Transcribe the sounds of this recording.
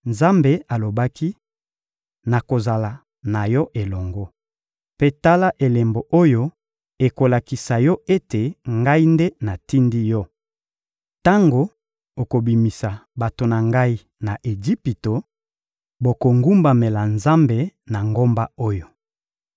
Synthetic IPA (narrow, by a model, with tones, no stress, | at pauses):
nza˦mbe˨a˨lo˨ba˦ki˦ | na˨ko˨za˨la˨ | na˨jɔ˦ʔe˨lɔ˨ŋɡɔ˦ | pe˦ta˦la˦ʔe˨le˨mbo˨ʔo˦jo˦ | e˨ko˨la˨ki˨sa˨jɔ˦e˦te˨ŋɡa˦i˦nde˦na˨ti˦ndi˦jɔ˦ | ta˦ŋɡo˨ | o˨ko˨bi˨mi˨sa˨ba˨to˨na˨ŋɡa˦i˦ | na˨ʔe˨d͡ʒi˦pi˨to˨ | bo˨ko˨ŋɡu˦mba˨me˨la˨nza˦mbe˨na˨ŋɡo˦mba˦o˦jo˨